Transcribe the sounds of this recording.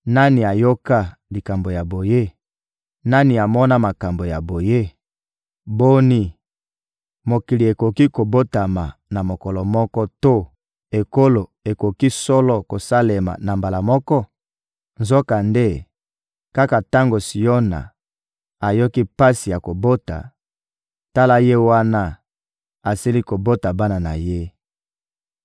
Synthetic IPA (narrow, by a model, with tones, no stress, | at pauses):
na˦ni˨a˨jo˦ka˦li˨ka˨mbo˨ja˨bo˨je˦ | na˦ni˨a˨mɔ˦na˦ma˨ka˨mbo˨ja˨bo˨je˦ | bo˦ni˦ | mo˨ki˨li˨e˨ko˨ki˦ko˨bo˦ta˨ma˨na˨mo˨kɔ˨lɔ˨mɔ˦kɔ˦to˦ | e˨ko˦lo˨e˨ko˨ki˦sɔ˦lɔ˦ko˨sa˦le˨ma̰˨na˨mba˨la˨mɔ˦kɔ˦ | nzo˦ka˨nde˦ | ka˦ka˨ta˦ŋɡo˨si˨jo˦na̰˨ | a˨jo˦ki˦pa˦si˨ja˨ko˨bo˦ta̰˨ | ta˦la˦je˦wa˦na˦ | a˨si˦li˦ko˨bo˦ta˨ba˦na˨na̰˨je˦